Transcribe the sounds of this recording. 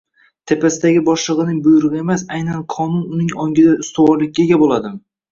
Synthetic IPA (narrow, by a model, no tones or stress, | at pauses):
t̪ʰe̞pasɪd̪aɡʲɪbɒʃlˠɨʁɨnɪŋbʊjʊɾɨʁɨe̞masajnanqʰɒnʊnʊnɪŋɒŋɡʲɪd̪aʊst̪ʊwɒɾlɪkʲːaɡʲabolˠad̪ɪm